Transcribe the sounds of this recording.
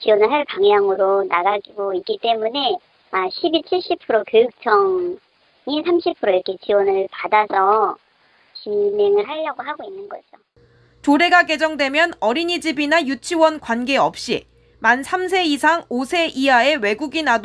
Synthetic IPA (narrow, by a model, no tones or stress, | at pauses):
t͡ɕiwʌnɯɭɦaɭpaŋjaŋɯɾonaɡaɡiɡoik͈it͈e̞mune̞ | aɕʰibit͡ɕʰiɭɕ͈ipʰɯɾokjojuk̚t͡ɕʰʌŋ | isʰamɕʰipʰɯɾoiɾʌkʰe̞t͡ɕiwʌnɯɭpadasʰʌ | ɕine̞ŋɯɭɦaʎːʌɡoɦaɡoinːɯnɡʌd͡ʑo | t͡ɕoɾe̞ɡaɡe̞d͡ʑʌŋdwe̞mjʌnʌɾiɲid͡ʑibinajut͡ɕʰiwʌnkwanɡe̞ʌp̚ɕ͈ḭ | mansʰams̬ʰe̞isʰaŋosʰe̞ʔiae̞we̞ɡuɡinad